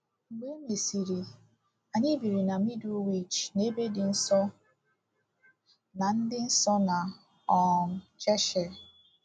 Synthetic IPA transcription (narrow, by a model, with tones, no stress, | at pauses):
ŋ͡m̩˨ɡ͡be˦me˨si˨ɾi˨ | a˨ɲɪ˦bi˨ɾi˨na˨mi˦du˦wi˦t͡ʃne˦be˦dɪ˨n̩˦sɔ˦ | na˨n̩˦dɪ˦n̩˦sɔ˦na˨ | ɔ˨n̩˨t͡ʃɛ˦ʃɛ˨